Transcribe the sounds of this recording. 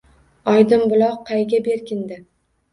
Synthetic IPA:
ɒjd̪ɪmbʊlˠɒwqʰɑjɡʲabe̞ɾkʲɪnd̪ɪ

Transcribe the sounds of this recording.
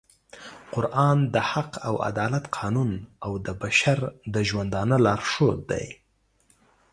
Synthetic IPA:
qʊɾʔɑnd̪əhaqʰawa̰d̪ɑlat̪qʰɑnunawd̪əbaʃaɾd̪əʒwand̪ɑnəlɑɾʂod̪a̰j

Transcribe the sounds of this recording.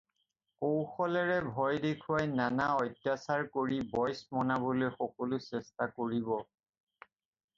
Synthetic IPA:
kowxɔlɛɹɛbʱɔjdekʰuwajnanaɔjtjasaɹkoɹibɔjsmɔnabolojxɔkɔlʊsɛstakoɹibɔ

